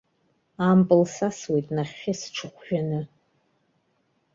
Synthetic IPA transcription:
ampʼɨlsaswejtʼnaχʲːɪsʈ͡ʂʰɨχʷʰʒᶣanɨ

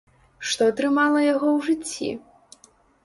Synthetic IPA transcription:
ʂt̪ɔɐt̪ɾɨmalˠɐjaɣɔwʐɨt͡sʲːḭ

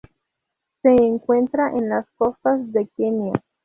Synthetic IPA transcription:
se̞ːŋkwe̞nt̪ɾaʔenlasko̞st̪azðe̞kenja

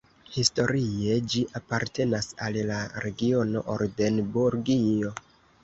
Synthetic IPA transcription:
histo̞ɾie̞d͡ʒiʔapaɾte̞nasallaɾe̞ɡio̞no̞̰ʔoɾde̞nbuɾɡio̞

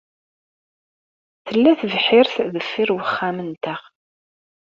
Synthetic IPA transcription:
θəlːæθəvħɪɾθðəfːɪɾwəχːaæmənt̪əʁ

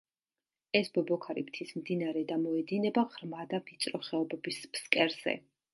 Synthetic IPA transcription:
ɛsbɔbɔkʰaɾḭpt̪ʰismd̪inaɾɛd̪amɔɛd̪inɛbaʁɾmad̪apʰit̪sʼɾɔχɛɔbɛbispskʼɛɾz̥ɛ̰

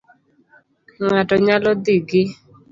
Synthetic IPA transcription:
ŋatɔɲalɔd̪iɡɪ

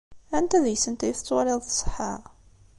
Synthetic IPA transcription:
ænt̪æðjsənt̪æjθət͡sːwɑɾˤeðˤθsˤə̥ħa

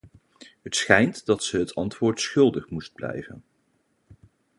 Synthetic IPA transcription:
ɦətsχɛjntdɑtsəɦətɑntʋʊːɹtsχɵlˠdəχmust̚blɛ̰jvə̰n

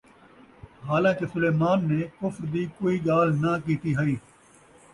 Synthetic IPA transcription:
ɦaːlãːkesʊleːmaːnːeːkʊfɾd̪iːkoːiːɡaːlnakiːt̪iɦɐiː

